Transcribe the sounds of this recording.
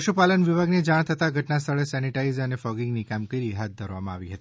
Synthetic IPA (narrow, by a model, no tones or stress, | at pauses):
əʃupalənʋibʱaɡnid͡ʒaɽ̃t̪ʰət̪aɡʱəʈnast̪ʰəɭesɛniʈaizənefɔɡɪŋɡnikamɡiɾiɦat̪̚d̪ʱəɾʋamã̰aʋiɦət̪ii